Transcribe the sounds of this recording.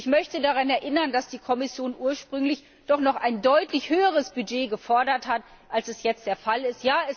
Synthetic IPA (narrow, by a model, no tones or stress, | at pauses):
ɪçmœçtədaʁanɛɐʔɪnɐndasd̥iːkʰɔmɪsjoːnʔuːɐʃpʁ̥ʏŋlɪç | d̥ɔχnɔχʔaɪndɔʏtlɪçhøːəʁ̞əsb̥yd͡ʒeːɡəfɔɐdɐthat | ʔalsɛsjɛt͡st̚d̥eːɐfalɪstjaːɛs